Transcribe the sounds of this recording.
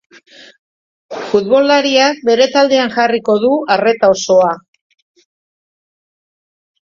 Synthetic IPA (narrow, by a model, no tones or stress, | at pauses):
fuðβo̞laɾiak̚be̞ɾe̞t̪ald̪e̞aŋʝariko̞ð̞uare̞t̪ao̞so̞a